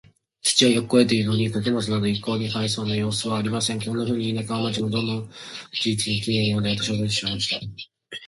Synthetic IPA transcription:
t͡ɕi̥t͡ɕiβajokkoe̞t̪e̞iɾɯnoɲ̟ikokɯmot͡sɨnad̪o̞ikːo̞ːɲ̟ihais̬o̞ːnajo̞ːsɨβaːɾʲimasẽ̞ŋkõ̞nːaɸɯ̟ːɲ̟iːnakaβamat͡ɕimod̪õ̞nõd͡ʑit͡sɨɲikʲĩnẽjoːd̪eat̪oɕiot̪oiɕimaɕi̥t̪a

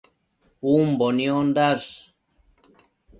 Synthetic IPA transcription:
umboniond̪as

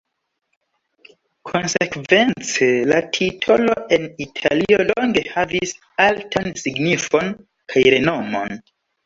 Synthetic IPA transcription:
kʰo̞nsekve̞nt͡se̞latʰitʰo̞lo̞e̞nitʰa̰lio̞lo̞ŋɡe̞havis | altʰansiɡnifo̞n | kʰajɾe̞no̞mo̞̰n

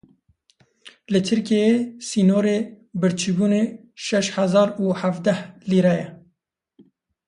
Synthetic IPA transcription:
lɨt̪ʰɨɾkijesiːnoːɾeː | bɨɾt͡ʃʰibuːneː | ʃɛʃhæzɑːɾuːhævd̪ɛhliːɾɛjɛ

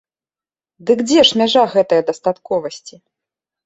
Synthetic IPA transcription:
d̪ɨkd͡zʲɛʂmʲaʐaɣɛt̪ɐjɐd̪ɐst̪at̪kɔvɐsʲt͡sʲi

